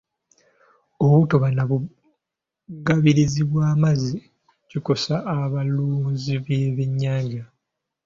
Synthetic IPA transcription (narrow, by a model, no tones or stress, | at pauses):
owutoβanaβu | ɡaβiɾiziβwaːmazi | ciko̞saʔːβaluːnziβeβiɲːaːɲɟa